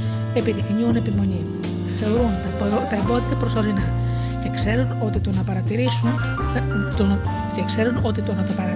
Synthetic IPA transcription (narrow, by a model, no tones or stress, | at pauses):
e̞piðixɲiune̞pimo̞ɲi | θe̞oɾunt̪ɐt̪ɐebo̞ðit̪ɐpɾo̞so̞ɾinɐ | ce̞kse̞ɾuno̞t̪it̪o̞nɐpɐɾɐt̪iɾisun | t̪o | cekse̞ɾuno̞t̪it̪o̞nɐt̪ɐpɐɾɐ